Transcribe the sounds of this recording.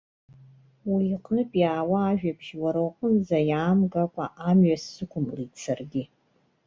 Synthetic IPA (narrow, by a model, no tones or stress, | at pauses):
wiːqʼnɨpʼjaːwaːʒᶣapʰʃwaɾaqʷʼənzajaːmɡakʷʼa̰ʔamɥasːɨkʷʰʊmlit͡sʰarɡʲi